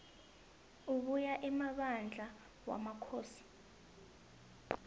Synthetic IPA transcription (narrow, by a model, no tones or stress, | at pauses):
uk̬ujaʔɛmaɓand͡ɮʱa | wa̰makʰoːsi̥